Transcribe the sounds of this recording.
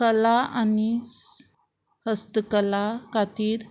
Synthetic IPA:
kəlaani | həst̪əkəlakat̪iːɾ

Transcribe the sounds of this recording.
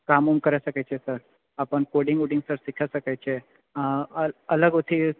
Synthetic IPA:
kamumkəɾasəkajt͡ɕesəɾ | apəɳkoɽiŋɡuɽĩŋɡsəɾsikʰasəkajt͡ɕe | əələɡot̪ʰi

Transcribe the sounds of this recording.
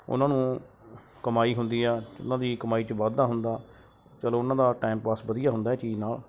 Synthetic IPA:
ʊ̰nãːnũː | kəmaːiːɦʊnd̪iːɛːʊ̰nãːd̪iːkəmaːiːt͡ʃəʋaːd̪ːaːɦʊnd̪aː | t͡ʃəloːʊnãːd̪aːʈaːmpːaːsʋəd̪ijaːɦʊ̃nd̪aːɛːt͡ʃiːznaːl

